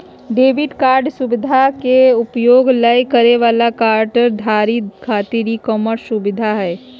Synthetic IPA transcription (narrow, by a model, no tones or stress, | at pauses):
ɖeːʋɪɖkaːɾɖsʊbɪd̪ʱakeʊpjoːɡləjkɐɾeʋaːlakaːɾʈəɾd̪ʱaːɾikʰaːt̪iɾikɔːməɾsʊbɪd̪ʱaɦɛː